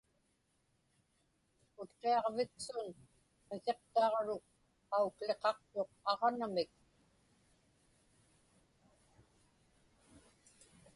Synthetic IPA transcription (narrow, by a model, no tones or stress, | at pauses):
ʊt̪qe̞ɑʁvɪksʊn | qese̞qt̪ɑːʁɻok̚ | aukle̞qɑq̚t̪o̞qɑʁɑnamɪk̚